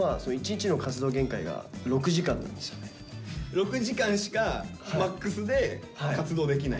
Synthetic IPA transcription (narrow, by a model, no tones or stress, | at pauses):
aso̞noit͡ɕiɲt͡ɕino̞kat͡sɨd̪o̞ːɡẽ̞ŋkaiɡa̰ɾo̞kɯ̟ʑikãnːã̰nd̪e̞st̪ḁne | ɾo̞kɯ̟ʑikãɰ̃ɕi̥kamakːɯsɨd̪e̞ | kat͡sɨd̪o̞ːd̪ekʲinai